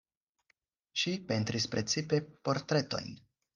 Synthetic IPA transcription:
ʃipent̪ɾispɾet̪t͡sipe̞po̞ɾt̪ɾe̞t̪o̞̰jn

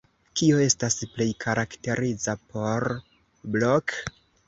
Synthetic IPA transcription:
kio̞e̞stasple̞jkʰaɾʔakte̞ɾid͡zapʰo̞ɾ | blok

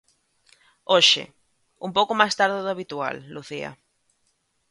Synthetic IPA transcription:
oʃɪ̰ | umpowkomajst̪aɾðeðʊaβit̪ua̰lːuθiɐ̰

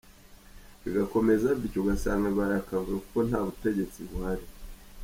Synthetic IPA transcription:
βiɡako̞me̞zaβicoɡasaːŋɡeβaɾakavɡakuko̞n̥haːβute̞ɟe̞t͡siβuhaɾi

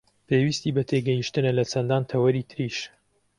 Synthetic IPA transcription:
pʰewist̪iːbɐt̪ʰeɡɛjiʃt̪ɨnɐlɐt͡ʃʰɐnd̪aːnt̪ʰɐwɐɾiːt̪ʰɨɾiʃ

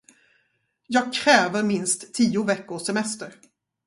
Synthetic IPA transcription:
jɑːɡ̚kʰɾɛːvəɾmɪnst̪ʰːiːʊvɛkːʊsɛmɛst̪əɾ

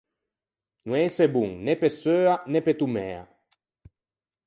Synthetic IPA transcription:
nũɛsebuŋnepesøːanepet̪umɛ̰ːa̰

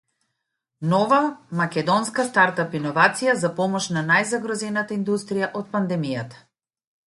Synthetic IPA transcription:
nɔvamakʲɛd̪ɔnskast̪aɾt̪apinɔvat̪sijazapɔmɔʃnanajzaɡɾɔzɛnat̪aind̪ust̪ɾijaʔɔt̪̚pand̪ɛmijat̪ḁ

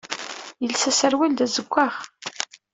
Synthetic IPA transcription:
jəlsæsəɾwild̪æzəɡʷːaʁ

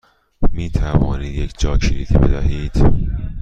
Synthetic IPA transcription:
miːt̪ʰævɒːniːd̪jecʰd͡ʒɒːkʰiːɾit̪ʰḭːbed̪æɦiːd̪̥

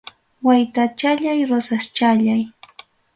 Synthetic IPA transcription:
wajt̪at͡ʃaʎajɾosast͡ʃaʎaj

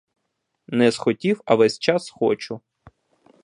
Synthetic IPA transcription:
nɛzxɔtʲiwɐʋɛsʲt͡ʃɑsxɔt͡ʃʊ

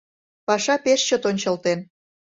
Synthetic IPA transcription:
pɑʃɑpeʃt͡ɕot̪onʲt͡ɕə̆lt̪en

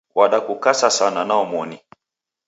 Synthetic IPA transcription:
waɗakukasasananaɔmɔni

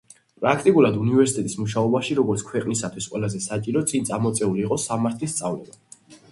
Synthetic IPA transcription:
pʼɾakʰt̪ʼikʼulˠad̪univɛɾsit̪ʼɛt̪ʼismuʃaɔbaʃiɾɔɡɔɾt̪sʰkʰwɛqʼnisat̪ʰwisqʼwɛlˠazɛsat͡ʃʼiɾɔt̪sʼint̪sʼamɔt̪sʼɛuliːqʼɔsamaɾt̪ʰlist̪sʼavlɛba

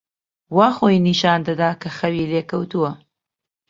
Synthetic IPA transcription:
wɑːxojniʃɑːnd̪ad̪akɐxɐwiːleːkɐwt̪uwɐ

